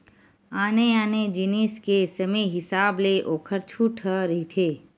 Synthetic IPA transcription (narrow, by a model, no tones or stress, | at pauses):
aːneaːned͡ʒɪniːskesɐmeɦɪsaːbleʔoːkʰəɾt͡ʃʰuʈʰəɾəɦit̪ʰeː